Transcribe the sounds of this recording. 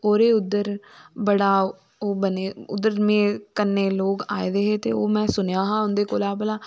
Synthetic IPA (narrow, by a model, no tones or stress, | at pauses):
oːɾeːʊd̪ːəɾ | bəɽaː | oːbəneːʊ̰d̪ːəɾmẽːkənːeːloːka̰ːeːd̪eːɦeːt̪ḛːoːmɛ̃ːsʊnjaːɦãːʊnd̪eːkoːlaːbəlaː